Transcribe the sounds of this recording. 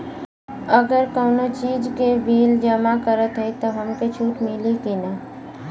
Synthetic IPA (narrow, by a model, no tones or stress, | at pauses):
əɡəɾkɔːnot͡ʃiːd͡ʒkebiːld͡ʒəmakəɾət̪ɦɛit̪oɦəmket͡ʃʰuːʈmɪlikina